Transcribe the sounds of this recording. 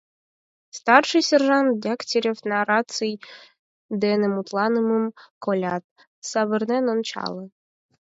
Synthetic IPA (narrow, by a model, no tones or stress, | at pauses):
st̪ɑrʂɨjsʲɛrʒɑnt̪̚dʲaktʲeɾʲefnaɾat̪sɨj | d̪ɛnɛmut̪lˠɑnɨmɨmkolʲat̪̚ | sɑβɨrnɛnont͡ɕɑ̰lˠɨ